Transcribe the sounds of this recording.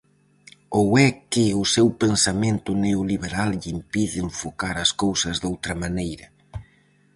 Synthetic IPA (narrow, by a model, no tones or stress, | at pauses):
owɛkɪʊsewpensamẽnt̪ʊneoliβeɾalʎimpiðɪɱfokaɾɐskowsɐzðowt̪ɾɐmanejɾɐ